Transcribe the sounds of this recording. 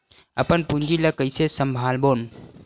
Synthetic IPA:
əpənpund͡ʒiləkəjsesəmbʱalbon

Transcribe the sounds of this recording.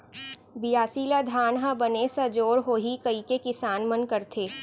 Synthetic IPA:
bɪjaːsiːlad̪ʱaːnɦãbɐnesad͡ʒoːɾɦoːɦikɐikekɪsaːnmɐnkɐɾt̪ʰeː

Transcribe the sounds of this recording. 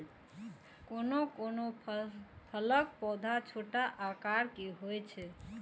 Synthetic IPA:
konokono | pʰələkpɔd̪ʱat͡ʃʰoʈaʔakaɾkiɦojt͡ʃʰɛ

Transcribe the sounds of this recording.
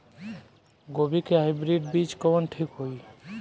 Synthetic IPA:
ɡobikeɦajbɾiɖbit͡ʃkɔənʈʰikɦoj

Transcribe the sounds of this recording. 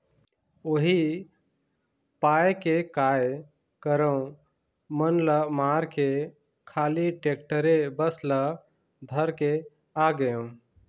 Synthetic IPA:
oɦi | pajkekaj | kəɾəũ | mənləmaɾke | kʰaliʈek̚ʈəɾebəslə | d̪ʱəɾke | aɡəjõ

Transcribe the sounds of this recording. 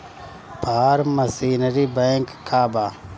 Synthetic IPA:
paːɾməsiːnəɾibɛ̃ːŋkkʰːaːbaː

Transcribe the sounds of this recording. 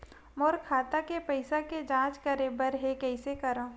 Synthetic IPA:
moːɾkʰaːt̪akepəɪsaked͡ʒãːt͡ʃkəɾẽbəɾɦekɛɪsekɐɾãː

